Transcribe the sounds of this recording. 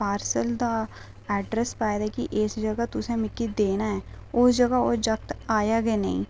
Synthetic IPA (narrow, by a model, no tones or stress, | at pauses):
paːɾsəld̪a | ɛːɖɾəspaːjd̪aɦkiʔesd͡ʒɐɡat̪ʊsẽmɪkːid̪eːnaɦɛːʊsd͡ʒɐɡaod͡ʒɐk̚t̪aːjaɡɐenɐɦḭ̃